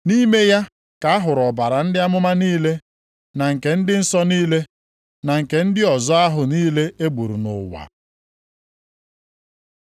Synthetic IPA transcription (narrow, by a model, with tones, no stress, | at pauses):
ni˦me˦ja˦ | ka˨a˦ɦʊ˨ɾɔ˨ba˨ɾa˨n̩˦dɪ˦a˦mʊ˦ma˦niː˦le˦ | na˨ŋ̩˨ke˨n̩˦dɪ˦n̩˦sɔ˦niː˦le˦ | na˨ŋ̩˨ke˨n̩˦dɪ˦ɔ˨zɔ˦a˦ɦʊ˨niː˦le˦e˦ɡ͡bu˨ɾṵ˨nʊ̰˨wa̰˨